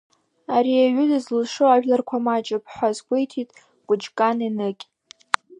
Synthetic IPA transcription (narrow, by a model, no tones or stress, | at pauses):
aɾiaɥʊdɨzlʂoaʒᶣlarkʷʰamat͡ʃʼɨpʰħʷazɡʷejtʰitʼ | kʷʼʊd͡ʒkʼaninɨkʲʼ